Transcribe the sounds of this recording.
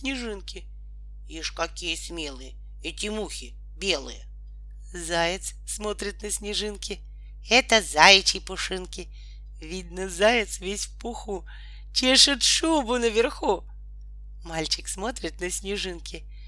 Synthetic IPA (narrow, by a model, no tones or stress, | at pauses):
nʲɪʐɨnkʲɪ | iʂkɐkʲijəsʲmʲe̞lˠɨjə | ɛtʲɪmuxʲɪ | bʲe̞lˠɨ̰jə | zajɪt̪s | smo̞t̪ɾʲɪt̪nəsʲnʲɪʐɨnkʲɪ | ɛt̪əzajt͡ɕɪjpʊʂɨnkʲɪ | vʲid̪nəzajɪt̪svʲesʲfpʊxu | t͡ɕʲeʂɨt̪ʂubʊnəvʲɪrxu | malʲt͡ɕɪksmo̞t̪ɾʲɪt̪nəsʲnʲɪʐɨnkʲɪ